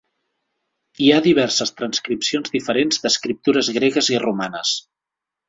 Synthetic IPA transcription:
iaðiβ̞ɛrsəst̪ɾənskɾipsionzðifəɾenzd̪əskɾip̚t̪uɾəzɣɾeɣəzirumanəs

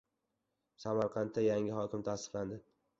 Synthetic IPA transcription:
samaɾqʰɑnt̪ʰːajaŋʲɪhɒkʲʰɪmt̪ʰasɨ̥qland̪ɪ

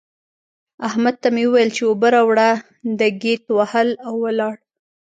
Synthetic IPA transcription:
ahmad̪̚t̪amewəwajəlt͡ʃeobaɾawɽa | d̪əɡet̪wahəlawːəlɑɽ

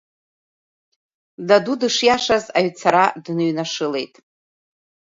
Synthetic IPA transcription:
dadudɨʂjaʂazaɥt͡sʰaɾadnɨɥnaʂɨle̞jtʼ

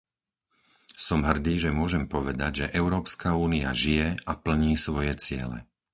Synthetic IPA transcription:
sɔmɦr̩d̪iːʒɛmʊɔʒɛmpɔʋɛd̪aɟʒɛʔɛʊɾɔːpskauːnia̰ʒijɛapl̩ɲiːsʋɔjɛt͡sɪɛ̰lɛ̰

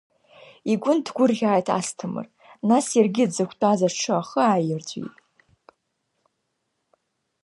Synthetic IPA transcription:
iɡʷʊndɡʷʊrʁʲaːjtʰa̰stʰɨmɨ̰r | nasjarɡʲɪdzɨkʷʰtʼazaʈ͡ʂʰɨaχəajɪrd͡zʷʼḭtʼ

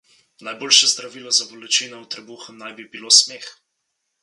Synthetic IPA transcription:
najboːlʃɛzd̪ɾaʋiːlɔzabɔlɛt͡ʃiːnɔwt̪ɾɛbuxəmnajbibiloːsmeːx

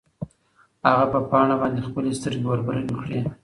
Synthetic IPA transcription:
haɣapəpɑɳabɑnd̪expəlest̪əɾewaɾbaɾəlikɽe

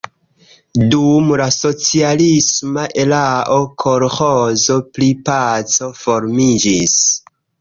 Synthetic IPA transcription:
dumlaso̞t͡sialismaʔe̞laʔokʰoɾhozo̞plipat͡so̞fo̞ɾmid͡ʒis

